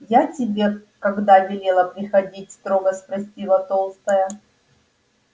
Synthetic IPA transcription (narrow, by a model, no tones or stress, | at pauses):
jatʲɪbʲe | kɐɡd̪avʲɪlʲelˠəpɾʲɪxɐdʲitʲst̪ɾoɡəspɾɐsʲtʲivˠɐt̪o̞lˠst̪əjə